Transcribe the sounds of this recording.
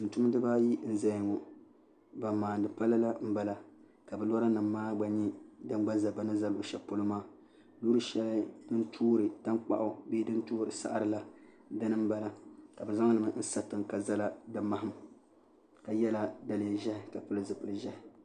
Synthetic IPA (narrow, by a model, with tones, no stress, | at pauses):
n̩˨tu˦m˦dɨ˦ba˦ji˦n̩˦za˦jŋo˨ | ba˨mːaː˨n˨dɨ˨pa˦la˦la˦m̩˦ba˦la˨ | ka˨bɛ˨lɔ˦ɾa˦nɨ˨mːaː˦ɡ͡ba˨ɲi˦dɨ˦n˦ɡ͡ba˦za˨ba˨nɨ˦za˦lʊ˨ʔʃɛ˨po˦lɨ˦maː˦ | luː˦ɾɨ˦ʃɛ˦ldɨ˦ntʰuː˦ɾɨ˨ta˦nk͡pa̰˨ʔʊ˦beː˦dɨ˦n˦tuː˦ɾɨ˨sa̰˦ʔa˦ɾɨ˦˨la˦ | dɨ˦nɨ˦m˦ba˦la˦ka˨bɛ˨za˦ŋ˦lɨ˨mɨ˨n̩˦sa˦tɨ˨ŋka˨za˦la˦dɨ˨ma˦ɦɨ˦m | ka˨jɛ˦la˦da˨lɨ˨ʒɛ˦hɪ˨ka˨pɨ˦lɨ˦zɨ˨pɨ˨lɨ˨ʒɛ˦hɪ˨